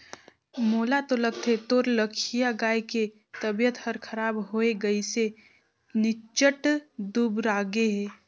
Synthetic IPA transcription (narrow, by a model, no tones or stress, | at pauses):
moːlat̪oləɡ̚t̪ʰet̪oːɾləkʰijaɡaːjke | t̪əbjət̪həɾkʰɐɾaːbɦoeɡɐise | nɪt͡ʃəʈd̪uːbɾaːɡeɦɛː